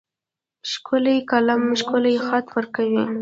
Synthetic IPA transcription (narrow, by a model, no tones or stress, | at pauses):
ʃkʊlikalamʃkʊlajxat̪wəɾkawi